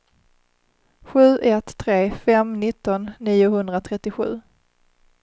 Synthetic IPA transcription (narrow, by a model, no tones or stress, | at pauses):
ɧʉ̟ːʔɛt̪ʰːɾeːfɛmnɪt̪ːɔnːiːʊɦɵnd̪ɾat̪ʰɾɛt̪ːɪɧʉ̟ː